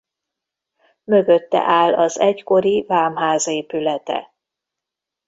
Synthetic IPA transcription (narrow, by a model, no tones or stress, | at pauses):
mø̞ɡø̞t̪ːɛ̰ʔaːlɒzɛcko̞ɾivaːmɦaːzeːpylɛt̪ɛ̰